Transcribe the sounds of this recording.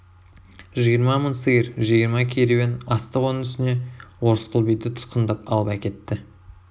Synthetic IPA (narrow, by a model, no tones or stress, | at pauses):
ʒijəɾmɑmənsəɡʲəɾʒijəɾmɑkʲʰeɾewenɑst̪əwo̞nənʏst̪ɪne̞wo̞ɾəsqʰəlˠbijd̪ɪt̪ʰʊ̥t̪̚qənd̪ɑpɑ̰lˠəpækʲe̞t̪ːɪ